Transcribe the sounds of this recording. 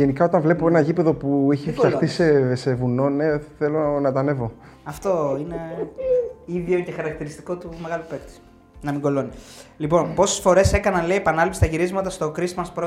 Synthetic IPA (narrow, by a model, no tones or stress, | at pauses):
enikɐo̞t̪ɐnvle̞poe̞nɐʝipe̞ðo̞pueçifçɐxt̪ise̞se̞vuno̞ne̞θelo̞nɐt̪ɐne̞vo̞ | ɐft̪o̞ine | iðioce̞xɐɾɐk̚t̪iɾist̪i̥ko̞t̪umeɣɐlupe̞kt̪i̥s | nɐmiɡo̞lo̞nilipo̞npo̞sesfo̞ɾe̞se̞kɐnɐnle̞iepɐnɐlipsi̥t̪ɐʝiɾizmɐt̪ɐst̪o̞kɾismɐspɾo